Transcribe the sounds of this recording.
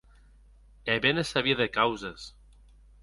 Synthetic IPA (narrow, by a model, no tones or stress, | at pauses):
eβenesaβiaðekawzes